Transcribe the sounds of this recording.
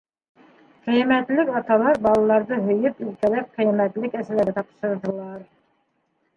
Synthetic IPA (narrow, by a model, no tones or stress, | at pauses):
qʰijmɛt̪lɪkʲɑt̪ɑlˠɑɾbɑlˠɑlˠɑɾd̪ɑɦɵjypilkʲɛlæp̚qʰijmɛt̪lɪkʲɛsɪlæɡɛt̪ʰɑpʃɯɾd̪ɨlˠɑɾ